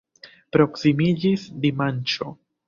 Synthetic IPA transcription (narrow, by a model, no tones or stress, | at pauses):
pɾo̞ksimid͡ʒisd̪imant͡ʃo̞